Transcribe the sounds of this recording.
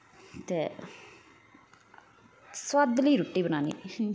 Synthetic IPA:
t̪eː | swad̪liːɾʊʈːiːbənaːnḭː

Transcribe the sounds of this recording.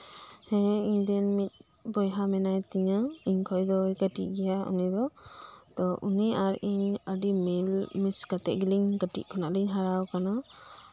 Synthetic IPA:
hɛindianmit̪̚ | bɔjɦamɛnajt̪iɲaiɲkʰɔjd̪ɔjkaʈḭʔɡɛjaṵnid̪ɔ | t̪ɔʔuniaɾiɲədimilmiskat̪ɛʔɡiliŋɡaʈḭʔkʰɔnaʔliŋɦaɾawkana

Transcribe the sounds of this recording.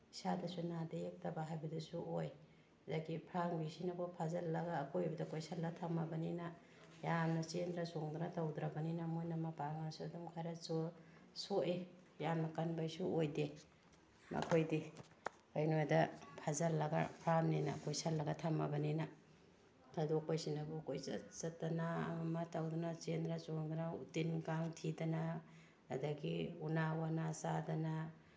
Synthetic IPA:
isadɐsunadɐek̚tɐbaɦajbɐdɐsuʔoj | daɡipʰɾaŋbisinɐkopʰazɐlːɐɡaːkojbɐdɐkojsalːatʰamːɐbɐninɐ | jamnɐt͡ʃendɾɐsoŋdunɐtɐwdɾɐbɐninɐmojnɐmɐpaŋansuɐdumkʰajɾɐt͡ʃosoʔejamnɐkɐnbajsuojde | mɐ̰kʰojdi | ojnojdɐpʰazɐlːɐɡa̰pʰɾamnina̰kojsalːɐɡɐtʰamɐbɐninɐ | kʰadokojsinabukojza̰t͡ʃɐtːana̰ːmatawdunat͡ʃendɾat͡ʃoŋɡanaṵtinkaŋtʰidɐna | adɐɡiunawanasadɐna

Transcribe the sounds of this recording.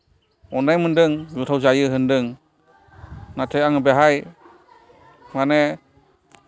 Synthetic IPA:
ɔnajmɯndɯŋzutʰawzajɯɦɯndɯŋ | natʰɯjaŋɯbeɦaj | manɛ

